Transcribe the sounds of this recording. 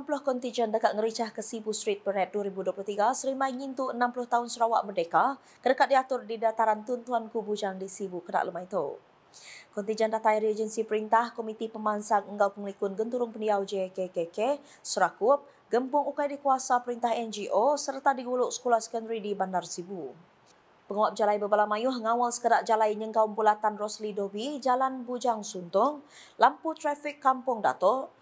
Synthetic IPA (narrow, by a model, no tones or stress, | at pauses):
namplʊhkɔnt̪id͡ʒəndəkat̪̚ŋəɾit͡ʃahkəsibust̪ɾit̪̚bəɾɛt̪̚duaɾibuduopluht̪iɡasəɾimajŋint̪uənamplʊht̪aʊnsəɾawa̰ʔmərdeka | kədəkat̪̚diat̪ʊrdidat̪aɾant̪unt̪uankubud͡ʒaŋdisibukəna̰ʔləmajt̪ṵ | kɔnt̪iɲd͡ʒəndat̪ajɾied͡ʒənsipəɾint̪ahkɔmit̪ipəmansaŋəŋɡawpəŋlikʊnɡənt̪uɾʊŋpəniawd͡ʒekekeke | səɾakʊp̚ | ɡəmpʊŋukajdikuasapəɾint̪aɦɛnd͡ʒiʔosərt̪adiɡulʊʔsə̥kulahsə̥kəndəɾidibandarsibu | pəŋawap̚d͡ʒalajbəbalamajʊɦŋawalsə̥kədaʔd͡ʒalajɲəŋɡaumbulat̪anrɔslidobid͡ʒalanbud͡ʒaŋsunt̪ʊŋ | lamput̪ɾafikːampʊŋda̰t̪ɔ